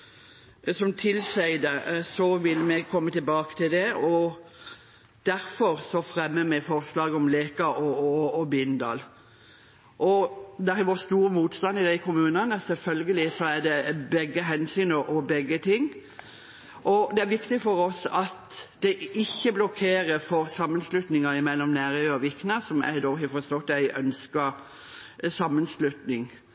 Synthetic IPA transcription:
sɔmt̪ʰɪlsæɪd̪ɛsɔʋɪlmɛkʰɔmːət̪ɪlbɑːkə̥t̪ʰɪld̪ɛɔ | d̪̥æɾfɔɾsɔfɾɛmːəmɛfɔɾslɑːɡəɔmleːkɑɔːbɪnd̪ɑ̰ːl | ʔɔd̪æɾhæʋɔɾst̪uːɾmuːt̪st̪ɑnɪd̪æɪkʊmʉːnɑnəsɛlfœlɡəlɪsɔæd̪ɛbɛɡːəɦɛnsyːnɔʔɔbɛɡːət̪ʰɪŋː | ʔɔd̪ɛæɾʋɪkt̪ɪfɔɾɔsɑt̪d̪̥ɛɪçːəblɔkʰeːɾəfɔɾsɑmːənslʉt̪nɪŋəɾɪmɛlːɔmnæːɾəøɔʋɪknɑsɔmæ̰ɪhæd̪oːʁɪfɔst̪ɔt̪ːæɪʔœnskəɾ | sɑmːənslʉt̪nɪŋ

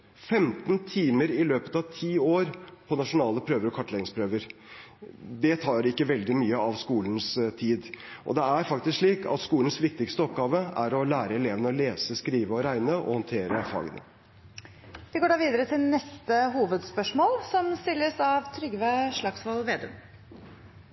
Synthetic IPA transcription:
fɛmt̪n̩t̪ʰiːməɾɪløːpə̥t̪ɑʋt̪ʰiːoːɾpʰɔnɑʂʊnɑːləpʰɾøːʋəɾɔkʰɑʈːɭɛːɡɪŋspʰɾøːʋəɾ | d̪ɛt̪ʰɑːɾɪkːəʋɛld̪ɪmyːəɑʋskuːlən̩st̪ʰiːd̪ʔɔ̰d̪ɛæɾfɑkt̪ɪskʂɭiːkʰɑ̰t̪skuːln̩sʋɪk̚t̪ɪkst̪əɔpɡɑːʋəæɾɔlæːɾəɛleːʋənəɔleːsəskɾiːʋəɔɾæɪnəʔɔ̰hɔnt̪ʰeːɾəfɑ̰ːɡə̰nə̰ | ʋɪɡoːɖɑːʋiːd̪əɾət̪ʰɪlnɛst̪əɦuːʋəd̪spœʂmoːlsɔmst̪ɪlːəsɑʋt̪ʰɾʏɡʋeʂɭɑɡsʋɑlʋeːd̪ʉ̰

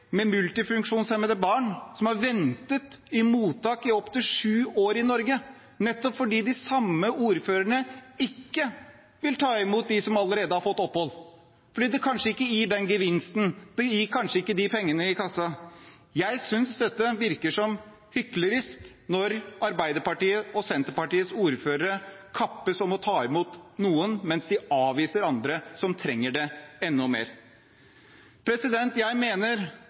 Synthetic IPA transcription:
mɛmʉlt̪ɪfʉŋkʂuːnsæməd̪əbɑːɳsɔmhɑɾʋɛnt̪ət̪ɪmuːt̪ʰɑːkɪɔpːt̪ɪlʂʉːoːɾɪnɔɾɡə | nɛt̪ːɔpfɔɖiːd̪ɪsɑmːəʔuːɾføːɾəɳəɪkːə | ʋɪlt̪ʰɑːɪmuːt̪̚d̪ɪsɔmɑləɾeːd̪əhɑɾfɔt̪ːɔpːhɔl | fɔɖiːd̪ɛkʰɑnʂəɪkːəjiːɖɛnɡəʋɪnst̪n̩d̪ɛjiːkʰɑnʂəɪkːəd̪ɪpʰɛŋːənəɪkʰɑsːɑ | jæɪsʏnsd̪ɛt̪ːəʋɪɾkəʂɔm | hʏkləɾɪsk | nɔɾɑɾbæɪd̪əɾpɑʈiːəɔsɛnt̪əɾpɑʈiːət̪suːɾføːɾəɾəkʰɑpːəsɔmɔt̪ʰɑːɪmuːt̪nuːənmɛnsd̪ɪɑːʋiːsəɾɑnd̪ɾəsɔmt̪ʰɾɛŋːəɖɛɛnːɔmḛːɾ | pʰɾɛsɪd̪ɛnt̪jæɪmeːnəɾ

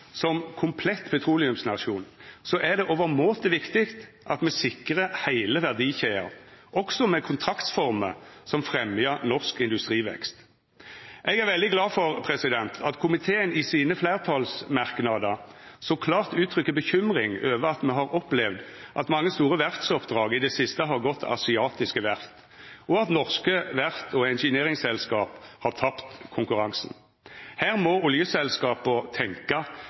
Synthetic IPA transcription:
sɔmkʰʊmpʰlɛt̪ːpʰɛt̪ʰʁuːlɪʉmsnɑʂuːnsɔʔæʁd̪ɛʔoːʋəʁmoːt̪əʋɪkt̪ɪkt̪ | ʔɑt̪mɛsɪkːəʁəhæɪləʋæʁd̪iːçæɪə̰ʁʔɔksɔmɛkʰʊnt̪ʰʁɑkt̪sfɔʁmə̰sɔmfʁɛmjənɔʁskɪnd̪ʉst̪ʁiːʋɛ̰kst̪ | ʔɛɡæʁʋɛld̪ɪɡlɑːfɔʁpʰʁɛsɪd̪ɛnt̪ʰɑt̪kʰʊmɪt̪ʰeːənɪsiːnəflæɪʁt̪ʰɑlsmɑʁknɑd̪əsɔkʰlɑːʁt̪ʉːt̪ʰʁʏkːəbəçʏmʁɪŋøːʋəɑt̪mɛɦɑʁɔplɛʋd̪ʔɑt̪mɑŋːəst̪uːʁəʋæʁt̪sɔpd̪ʁɑːɡɪd̪ɛsɪst̪əɦɑʁɡɔt̪ʰːɑ̰sɪɑːt̪ɪskəʋæʁt̪ | ʔɔɑt̪nɔʁskəʋæʁt̪ʰɔɛnʃəneːʁɪŋsɛlskɑːphɑʁt̪ʰɑpt̪kʰʊŋkʉʁɑŋsn̩ | hæːʁmɔʊljəsɛlskɑːpɔt̪ʰɛŋkɑ

